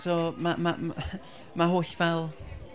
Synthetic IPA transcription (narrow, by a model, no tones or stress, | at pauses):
somama | maɦoːɬvɛlˠ